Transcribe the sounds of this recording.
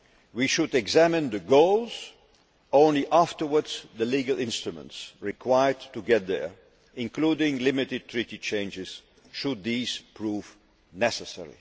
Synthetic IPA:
wiʃʊdɛɡzæmɨ̃nðɨɡoʊlˠz̥ | õʊ̃nliʔæftə˞wədz̥ðəliɡəl̩ˠɪ̃nstɹ̥ɨmə̰̃ntsɹɪkʰw̥aɪə˞dtuɡɛt̪̚ðə̰˞ | ɪ̃nkʰludɪ̃ŋlɪmɪɾɨd̚tʰɹiɾit͡ʃʰẽɪ̃nd͡ʒɪz̥ | ʃʊd̪̚ðiz̥pʰɹuːv̥ | nɛsəsɛ̰ɹḭ

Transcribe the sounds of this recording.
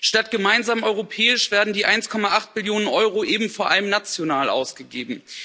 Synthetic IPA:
ʃtatɡ̥əmaɪnzaːmʔɔʏʁopʰɛːɪʃv̥eːɐdn̩diːʔaɪnskʰɔmaʔaχt̚bɪljoːnənʔɔʏʁoʔeːbm̩foːɐʔaləmnat͡sjonaːlʔa̰ʊsɡ̥əɡeːbm̩

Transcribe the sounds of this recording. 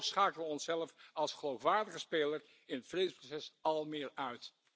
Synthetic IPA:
sχaːkəʋəɔnsɛləfɑlˠsχəlowfʋaːɹdəχəspejləɹ | ɪnətfrejdəsprosɛsɑlˠmɪːɹœɥt

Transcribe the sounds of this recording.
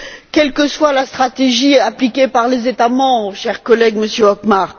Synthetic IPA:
kʲɛlkəswalast̪χat̪eʒiaplikʲepaʁlezet̪amɑ̃bʁəʃɛʁkɔlɛɡməsjøɔkmaʁ

